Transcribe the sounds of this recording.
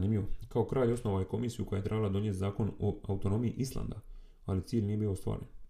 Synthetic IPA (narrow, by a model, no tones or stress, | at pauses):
nimʎʲiʋokao̞kɾaːʎo̞sno̞ʋajeko̞miːsijuko̞jajet̪ɾe̞balad̪o̞njet̪zaːko̞noaut̪o̞no̞ːmiḭʔislˠa̰nd̪a | alit̪siːʎnijebiːoost̪ʋa̰ːɾen